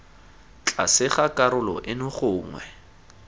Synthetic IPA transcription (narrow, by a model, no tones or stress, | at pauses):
t͡ɬʼa̰sɪχakʼaɾʊlɔ̰ʔɪnʊχʊːŋwɛ̰